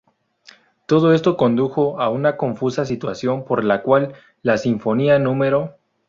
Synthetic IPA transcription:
t̪o̞ð̞o̞e̞st̪o̞ko̞nd̪uxo̞aunako̞ɱfusas̬it̪wasjo̞mpo̞ɾlakwalː | asiɱfo̞nianũme̞ɾo

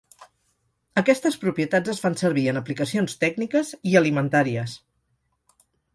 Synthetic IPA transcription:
əkɛst̪əspɾupɾiət̪ad͡zəsfansəɾβiənəplikəsionst̪ɛɡnikəziəlimənt̪aɾiəs

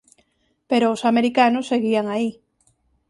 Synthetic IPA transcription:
peɾoːsameɾikanʊsːeɣiaŋai

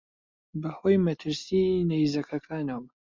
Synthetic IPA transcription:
bɐhoːjmɐt̪ʰɨɾsinɐjzɐkʰɐkʰaːnɐwm

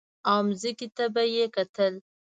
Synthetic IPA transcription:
amzikit̪abajekat̪əl

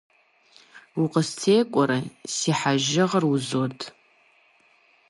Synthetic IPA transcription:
uqʼəst͡sʰeːkʷʼɔɾɐsiħaʒɪʁəruzotʰʼ

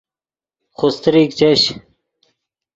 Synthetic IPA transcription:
xost̪ɾiːk̚t͡ɕeɕ

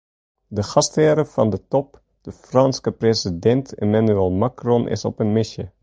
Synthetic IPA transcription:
dəxɑstɪːɾəv̥ɑndətɔp | d̥əfrɑnskəprezidɛntʰemanyɛlˠmakrɔnʔɪ̰sɔpənmɪsjə

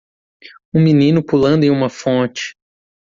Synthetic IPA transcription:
ũminĩnʊpulɐ̃nd̪ʊẽj̃ũmɐfõt͡ʃɪ̥

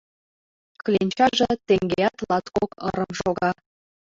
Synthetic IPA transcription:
klʲenʲt͡ɕɑʒet̪eŋɡejɑt̪lɑt̪kokɤ̰ɾəmʃoɣɑ

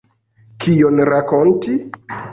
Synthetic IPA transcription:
kʰionɾakonti

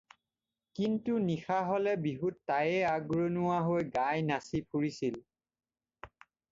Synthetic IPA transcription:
kintunixaɦɔlɛbiɦutːajɛaɡɹonʊwaɦojɡajnasipʰuɹisil

